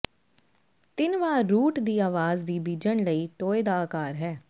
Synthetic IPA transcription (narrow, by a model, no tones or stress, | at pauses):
t̪ɪnʋaːuːʈd̪iːaːʋaːzd̪iːbiːd͡ʒəɳləiːʈoːeːd̪aːkaːɾɦɛː